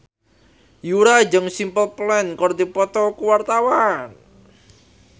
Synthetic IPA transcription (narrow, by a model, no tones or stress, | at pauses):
juɾad͡ʒəŋsimpəlplɛnkɔrd̪ipɔt̪ɔkuwart̪awan